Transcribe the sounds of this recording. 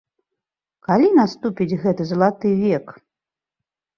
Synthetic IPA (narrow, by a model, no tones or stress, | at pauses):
kalʲinast̪upʲid͡zʲɣɛt̪ɨzɐlˠat̪ɨvʲɛk